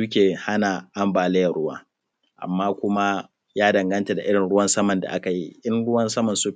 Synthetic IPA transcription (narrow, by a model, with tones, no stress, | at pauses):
uː˦kʲeː˨ha˦na˨ʔa˦mbaː˨leː˦jɐ˨ɽʊ˦wa̰ː˦ | ʔa̰˨mːaː˦kʷʊ˦ma˦ | jaː˦dɐ˨ŋɡɐ˦nta˨da˨ʔɪ˦ɽɪ˨nɽʊ˦wɐ˦nsɐ˦mɐ˨nda̰˨ʔa˦ka˨ji˦ʔɪ˦nɽʊ˦wɐ˦nsɐ˦mɐ˨nsu˦